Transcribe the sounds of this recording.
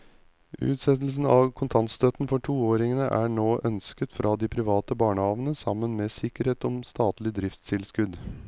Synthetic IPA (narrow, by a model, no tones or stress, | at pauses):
ʉ̰ːt̪sɛt̪l̩sn̩ɑːʋkʰʊnt̪ʰɑnt̪st̪øt̪nfɔʈʰuːoːɾɪŋənəʔæːɳoːʔœnskət̪fɾʔɑːd̪iːpʰɾɪʋɑːt̪əbɑːɳəhɑːʋnəsɑmːənmeːsɪkəɾheːt̪ɔmst̪ɑːt̪lɪd̪ɾɪft̪st̪ʰɪlskʉd̪